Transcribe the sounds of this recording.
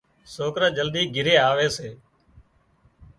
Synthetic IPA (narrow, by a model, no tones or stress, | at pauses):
soːkɾãːd͡ʒəld̪iːɡɪɾeːaːʋeːseː